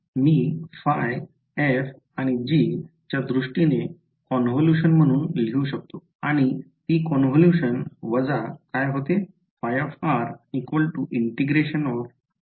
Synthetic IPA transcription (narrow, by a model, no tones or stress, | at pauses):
miːfaj | ef | aɽ̃id͡ʑit͡ɕjad̪ɾuʂʈine | kɔnɦoljuɕənm̤əɽ̃uːnl̤iũɕək̚t̪o | aɽ̃it̪ikɔnɦəljuɕənʋəd͡zakajɦot̪e | fajəfaɾikʋəlʈuʔiɳʈiɡɾeɕənɔɾ